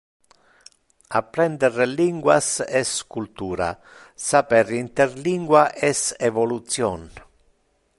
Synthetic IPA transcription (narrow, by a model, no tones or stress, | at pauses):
apːɾɛnd̪ɛrliŋɡwa̰sɛskult̪uːɾa̰ | sapɛrint̪erliŋɡwaʔɛsevolut̪sjɔn